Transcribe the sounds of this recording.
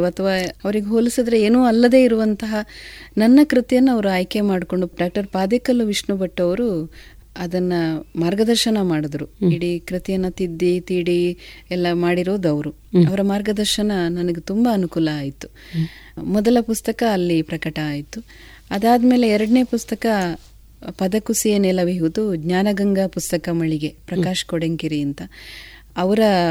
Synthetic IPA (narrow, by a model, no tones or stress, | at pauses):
ɐt̪ʰɐʋaːɐʋɐɾiɡeɦoːlisid̪ɐɾeeːnuːɐlːɐd̪e̞ːiɾuʋɐnt̪ɐɦɐnɐnːɐkɾit̪ijɐnːuɐʋɐɾuaːjke̞maːɽko̞ɳɖuɖaːk̚ʈɐɾpaːd̪ekɐlːuʋiʂɳubɐʈːɐʋɐɾu | ɐd̪ɐnːɐmaːɾɡɐd̪ɐɾʃɐnɐmaːɽid̪ɐɾuiɽikɾit̪ijɐnːɐt̪id̪ːit̪iːɽiɛlːɐmaːɽiɾoːd̪ɐʋɐɾu | ɐʋɐɾɐmaːɾɡɐd̪ɐɾʃɐnɐnɐnɐɡet̪umbɐːnukuːlɐaːjit̪ːu̥ | mɔd̪ɐlɐpust̪ɐkɐːlːipɾɐkɐʈɐaːjit̪ːu | ɐd̪aːd̪ɐme̞ːle̞ɛɾɐɽɐne̞ːpust̪ɐkɐ | pɐd̪ɐkusijɐnɛlɐʋiɦud̪uɡɲaːnɐɡɐŋɡɐpust̪ɐkɐmɐɭiɡe̞pɾɐkaːʃɐ̥kɔɽeŋkiɾiint̪ɐː | ʋɐɾɐ